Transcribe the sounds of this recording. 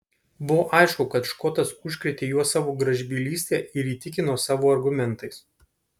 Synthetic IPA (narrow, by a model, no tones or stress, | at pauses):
bʊʋoːʔɐɪʃkʊkɐt̪ʃkɔt̪ɐsʊʃʲkʲɾʲɛt̪ʲeːjuɔsɑːʋoːɡɾɐʒʲbʲiːlʲiːsʲt̪ʲeːɪɾiːt̪ʲɪkʲɪnoːsɑːʋoːɐɾɡʊmʲɛnˑt̪ɐɪs